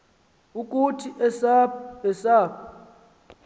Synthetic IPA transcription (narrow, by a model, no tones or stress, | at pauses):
ukʼutʰiʔɛsaɛsaːpʰɔ